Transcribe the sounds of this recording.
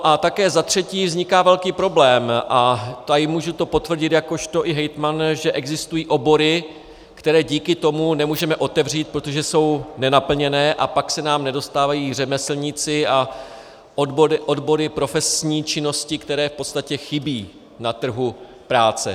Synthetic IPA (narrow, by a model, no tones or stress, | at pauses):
noʔat̪akɛːzat̪r̝̥ɛciːvzɲɪkaːvɛlkiːpɾo̞blɛːmʔat̪ajɪmuːʒut̪o̞po̞t̪vr̩ɟɪt̪jako̞ʃt̪o̞ʔɪɦɛjt̪manʒɛʔɛɡzɪst̪ujiːʔo̞bo̞ɾɪ | kt̪ɛɾɛːɟiːkɪt̪o̞munɛmuːʒɛmɛʔo̞t̪ɛvr̝iːt̪̚pɾo̞t̪o̞ʒɛso̞wnɛnapl̩ɲɛnɛːʔapaksɛnaːmnɛdo̞st̪aːvajiːr̝ɛmɛsl̩ɲɪt͡sɪa | obɾɪʔodbo̞ɾɪpɾo̞fɛsɲiːt͡ʃɪno̞scɪkt̪ɛɾɛːfpot̪st̪acɛxɪbiː | nat̪r̩ɦu | pɾaːt͡sɛ̰